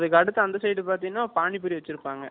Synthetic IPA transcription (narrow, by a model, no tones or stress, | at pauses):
ðɯkːɐɽɯt̪ːɐɐnd̪ɐsɐjʈːɯpaːɾt̪iːŋnaːpaːɳipːɯɾiʋɐt͡ʃːɪɾɯpːaːŋɡɐ